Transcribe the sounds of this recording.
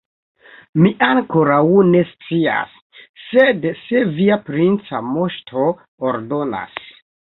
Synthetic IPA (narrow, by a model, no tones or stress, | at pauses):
miʔaŋko̞ɾawne̞st͡sia̰sː | edse̞viapɾint͡sa̰mo̞ʃtʰo̞ | oɾdo̞na̰s